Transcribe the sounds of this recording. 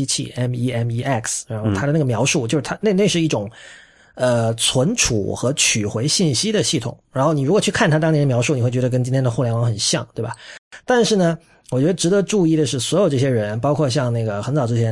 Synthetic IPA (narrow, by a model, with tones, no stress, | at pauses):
t͡ɕʰḭ˥˩ɛ˥ni˥ɛ˥mi˥ʔɛ˥˩ksɻa˧˥nxo˥˩ʊt̪ʰa˥də˧˦a˥˩ɡə˩mjɑ˧˥ʊʂu˥˩t͡ɕjo˥˧ʊʂɻ̩˥˩tʰa˥ne˥˧ɪne˥˧ɪʂɻ̩˥˧i˥˩ʈ͡ʂʊ˨˩ŋ | ə˧t͡sʰwə˧˥nʈ͡ʂʰṵ˨˩xɤ˧˥t͡ɕʰy˨˩xwe˧˥ɪɕi˥˩nɕi˥d̪ə˨ɕi˥˩t̪ʰʊ̰˨˩˦ŋɻa˧˥nxo˥˩ʊni˨˩ɻu˧˥kwɔ˨˩t͡ɕʰy˥˧kʰa˥˩nt̪ʰa˥t̪ɑ˥ŋt̪jɛ˧˥nə˨mjɑ˧˥ʊʂu˥˩n˨xwe˥˩ɥɛ˧˥ə˧kə˥nt͡ɕi˥ŋt̪ʰjɛ˥nd̪ə˧xɔ˥˩ljɛ˧˥nwɑ˧˥ŋxə˨˩nɕjɑ̰˥˩ŋt̪we˥˩ɪbɐ˩t̪a˥˧nʂɻ̩˥˩nə˩ | wɔ˨˩t͡ɕɥɛ˧˥d̪ə˧ʈ͡ʂɻ̩˧˥d̪ə˧˥ʈ͡ʂu˥˧i˥˩d̪ə˩ʂɻ̩˥˩swɔ˧˥jo˨ʊʈ͡ʂɤ˥˩ɕ̬jɛ˥ɻə˧˥npɑ˥ʊkʰwɔ˥˧ɕ̬jɑ˥˧ŋna˥˩ɡə˩xə˧˥nt͡sɑ˨˩ʊʈ͡ʂɻ̩˥˩jʰjɛ˥˧˥